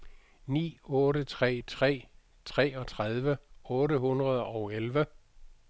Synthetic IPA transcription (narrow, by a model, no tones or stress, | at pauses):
nḭːɔ̽ːɾət͡sʰʁɛ̰ːt͡sʰʁɛ̰ː | t͡sʰʁɛ̰ːɒ̽t͡sʰʁaðˠʋəɔ̽ːɾəhunʁɐð̞ˠɒʊelʋə